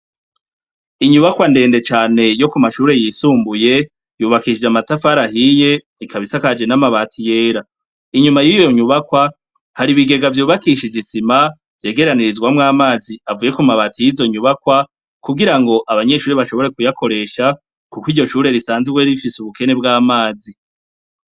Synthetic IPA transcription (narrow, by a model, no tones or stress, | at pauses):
iɲuβakwande̞ːnde̞t͡ʃaːne̞jo̞kumaʃuːɾe̞jisuːmbuje̞ | juːβakiʃid͡ʒamatafaɾaɦije̞ | ikʰaβisakad͡ʒe̞namaβaːtʰije̞ːɾa | iɲumajijjo̞ɲuβakwa | haɾiβiɡe̞ɡavjuːβakiʃid͡ʒisima | vje̞ːɡe̞ɾaniɾizɡwamŋaːmaːziavuːje̞kumaβaːtijizo̞ɲuβakwa | kuɡiɾaŋɡo̞ʔaβaɲe̞ʃuːɾiβaʃo̞βo̞ɾe̞kujakʰo̞ɾe̞ʃa | kukwiɾɟo̞ʃuːɾe̞ɾisaːnziweɾifisuβuke̞ne̞bɡaːmaːzi